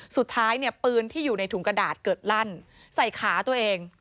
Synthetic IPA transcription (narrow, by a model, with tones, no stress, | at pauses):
su˨˩t̪ʰːaː˦˥jni˥˩ɐpɯː˧nt̪ʰiː˥˩juː˨˩na˧jt̪ʰu˩˦ŋkɾa˧daː˨˩t̪̚kɤː˨˩t̪̚la˥˩n | sa˨˩jkʰaː˩˦t̪u˧ɐʔeː˧ŋ